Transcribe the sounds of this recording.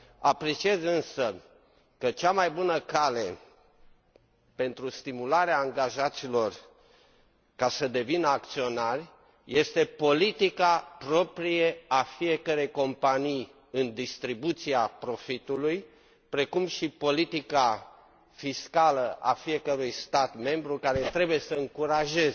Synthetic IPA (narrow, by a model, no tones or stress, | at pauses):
apɾe̞t͡ʃiezɨnsə | kət͡ʃamajbunəkale̞ | pe̞nt̪ɾust̪imulaɾeaːŋɡaʒat̪silo̞r | kasəd̪e̞vinəak̚t̪sio̞narʲ | je̞st̪e̞po̞lit̪ikapɾo̞pɾijeafije̞kəɾe̞jko̞mpanij | ɨnd̪ist̪ɾibut̪siapɾo̞fit̪uluj | pɾe̞kumʃipo̞lit̪ika | fiskaləʔa̰fije̞kəɾujst̪at̪me̞mbɾukaɾe̞t̪ɾe̞buje̞səɨŋkuɾaʒe̞z